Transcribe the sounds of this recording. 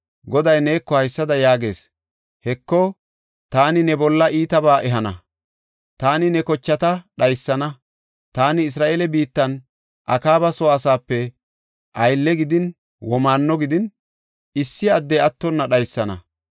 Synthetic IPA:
ɡɔd̪ɐjneːkːɔhɐjsːɐd̪ɐjaːɡe̞ːs | hɛkːɔ | t̪aːnɪnɛbɔlːɐʔiːt̪ɐbaːʔɛɦɐnɐ | t̪aːnɪnɛkɔt͡ʃːɐt̪ɐɗɐjsːɐnɐ | t̪aːnɪːs̬ɾaːʔeːlɛbiːt̪ːɐn | ʔɐkaːbɐsɔɐsaːpːɛ | ʔɐjlːɛɡɪd̪ɪn | wɔmaːnːɔɡɪd̪ɪn | ɪsːɪɐd̪ːɛɐt̪ːɔnːɐɗɐjsːɐnɐ̰

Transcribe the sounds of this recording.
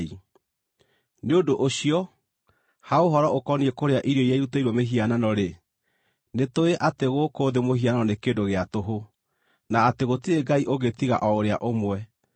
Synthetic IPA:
i | neodoʔoɕijɔ | haoɦɔɾɔʔokɔniɛkoɾeaʔiɾɔiaiɾuteiɾwɔmeɦiananɔɾe | netoeʔateɣokoðemoɦiananɔnekedoɣeatoɦo | naːteɣotieɡaiʔoɣetiɣa̰ʔɔoɾeaʔomwɛ

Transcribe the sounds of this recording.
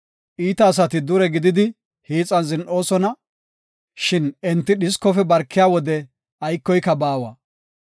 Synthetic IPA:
ʔiːt̪ɐːs̬ɐt̪ɪd̪ʊɾɛɡɪd̪ɪd̪ɪ | hiːt͡sʼɐnzɪnʔo̞ːsɔnɐ | ʃɪnɛnt̪ːɪɗɪskɔfɛbɐɾkːɪjaːwɔd̪ɛ | ʔɐjkːɔjkːɐbaːwɐ̰

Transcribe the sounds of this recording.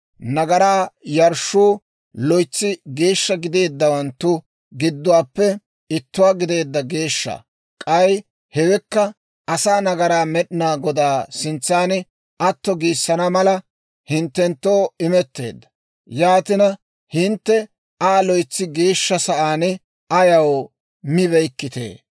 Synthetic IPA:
nɐɡɐɾaːjɐɾʃuː | lɔjt͡sːɪɡe̞ːʃːɐɡɪd̪e̞ːd̪ːɐwɐnt̪ːʊ | ɡɪd̪ːʊwaːpːɛ | ɪt̪ːʊwaːɡɪd̪e̞ːd̪ːɐɡeːʃːɐ̰ | kʼɐj | hɛwɛkːɐ | ɐsaːnɐɡɐɾaːmɛɗɪnaːɡɔd̪aːsɪnt͡sːaːnɪ | ʔɐt̪ːɔɡiːsːɐnɐmɐlɐ | hɪnt̪ːɛnt̪ːo̞ːɪmɛt̪ːe̞̰ːd̪ːɐ̥ | jaːt̪ɪnɐ | hɪnt̪ːɛ | aːlɔjt͡sːɪɡe̞ːʃːɐsɐʔaːnɪ | ʔɐjɐw | mɪβɛjkːɪt̪ḛː

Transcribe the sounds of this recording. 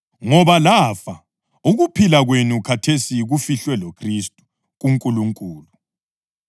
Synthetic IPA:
ŋɔβalafa | uɣupʰilaɣwenukʰatʰesiɣufiɬwɛlokʰristʼu̥ | ɣuŋkʼuluŋkʼuːlu

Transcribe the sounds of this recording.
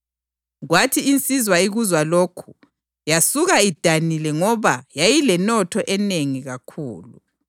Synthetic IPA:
ɣwatʰiːnt͡sʼizwaiɣuzwaloːkʰu̥ | jasuɣaid̥ʱanilɛŋɔβajajilɛnɔtʰɔʔɛneŋiɣakʰuːlṵ

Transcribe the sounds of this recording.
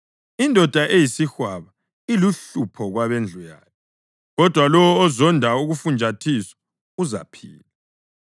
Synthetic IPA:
indʱɔd̥ʱaʔejisixwaβa | iluɬupʰɔɣwaβend͡ɮʱuja̰ːlʰɛ | ɣɔd̥ʱwalɔwɔːzɔndʱauɣufund͡ʒʱatʰiswḁ | uza̰pʰḭːla

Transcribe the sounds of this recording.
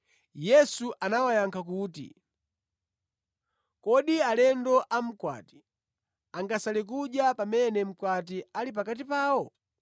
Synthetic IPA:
jɛsuʔanawajaŋkʰak̬uːtḭ | kɔɗialɛndɔʔam̩kwa̰ːti̥ | aŋɡasalɛk̬uɗjapamɛnɛm̩kwat̬ialip̬akat̬ipaːwɔ

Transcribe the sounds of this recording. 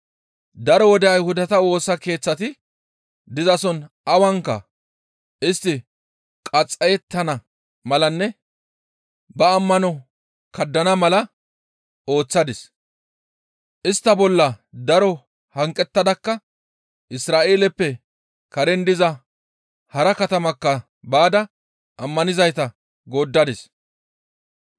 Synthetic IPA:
d̪ɐɾɔwɔd̪ɛɐjhʊd̪ɐt̪ɐwo̞ːsɐke̞ːt͡sːɐt̪ɪ | d̪ɪzɐsɔn | ɐwɐŋkːɐ̰ | ɪst̪ːɪ | kʼɐt͡sʼːɐjɛt̪ːɐnɐ | mɐlɐnːɛ | bɐːmːɐnɔ | kɐd̪ːɐnɐmɐlɐ | o̞ːt͡sːɐd̪ɪs | ʔɪst̪ːɐbɔlːɐd̪ɐɾɔ | hɐŋkʼːɛt̪ːɐd̪ɐkːɐ | ʔɪsɾaːʔe̞ːlɛpːɛ | kɐɾɛnd̪ɪzɐ | hɐɾɐkɐt̪ɐmɐkːɐ | baːd̪ɐ | ʔɐmːɐnɪzɐjt̪ɐ | ɡoːd̪ːɐd̪ɪs

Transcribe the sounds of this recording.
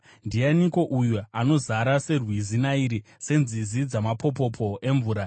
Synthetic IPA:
ndianiko̞ʔujuano̞zaɾase̞rwizinaiɾi | se̞nzizid͡zamapʰo̞p̬o̞pʰo̞ʔe̞ɱvuːɾa

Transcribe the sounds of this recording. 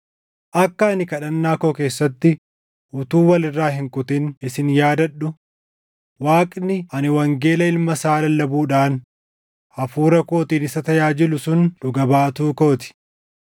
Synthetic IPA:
ʔɐkːɐɐnɪkɐᶑɐnːaːko̞ːke̞ːsːɐt̪ːɪ | ʔʊt̪uːwɐlɪrːaːhɪŋkʼʊt̪ɪnɪsɪnjaːd̪ɐɗːʊ | waːkʼnɪɐnɪwɐŋɡe̞ːlɐɪlmɐsaːlɐlːɐbuːᶑaːn | ɐfuːɾɐko̞ːt̪iːnɪsɐt̪ɐjaːd͡ʒɪlʊsʊnᶑʊɡɐbaːt̪uːko̞ːt̪ɪ̥

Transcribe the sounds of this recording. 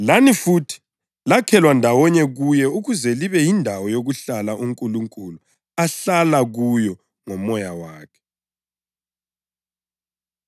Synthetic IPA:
lanifutʰi̥ | lakʰɛlwandʱawɔɲɛɣujɛuɣuzɛliβɛjindʱawɔjoɣuɬalaʔuŋkʼuluŋkʼulu | aɬalaɣujɔ | ŋɔmɔjawaːkʰɛ̥

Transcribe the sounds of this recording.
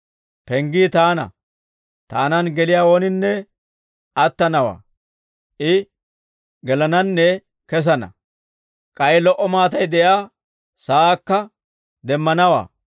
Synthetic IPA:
pɛŋɡiːt̪aːnɐ̰ | t̪aːnɐnɡɛlɪjaːwɔnɪnːɛ | ʔɐt̪ːɐnɐwa̰ː | ʔɪ | ɡɛlɐnɐnːɛ | kɛs̬ɐnɐ̰ | kʼɐjlɔʔɔmaːt̪ɐjd̪ɛjaː | saːkːɐ | d̪ɛmːɐnɐwa̰ː

